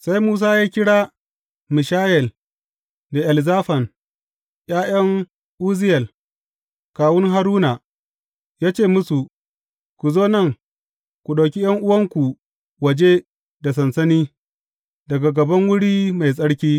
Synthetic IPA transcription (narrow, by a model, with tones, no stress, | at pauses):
sa˦jmuː˦s̬aː˦jaː˦kʲɪ˦ɽaː˦ | mɪ˨ʃaː˦jɛ˨l | da˨ʔɐ˨lzaː˦ɸɐ˨n | j̰aː˦j̰ɐ˦ŋ | ʔuː˦zɪ˦jɐ˨l | kaː˨wʊ˦ŋɦa˦ɾuː˦na˨ | jaː˦t͡ʃeː˦˨mʊ˦su˨ | kʷu˨zoː˦nɐ˦˨ŋ | kʷu˨ɗo˨kʲi˦jɐ˦ŋʔʊ˦wɐ˦ŋkʷu˨ | wɐ˨d͡ʒe˦ | da˨sɐ˨nsɐ˦niː˦ | dɐ˨ɡa˨ɡɐ˨bɐ˦ŋwʊ˦ɽiː˦ma˨js̬ʼɐ˦ɽkʲiː˦